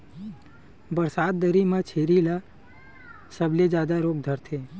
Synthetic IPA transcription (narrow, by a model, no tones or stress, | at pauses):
bəɾsad̪̚ːəɾimãt͡ʃʰeɾila | səbled͡ʒad̪aɾoɡ̚d̪ʱəɾt̪ʰe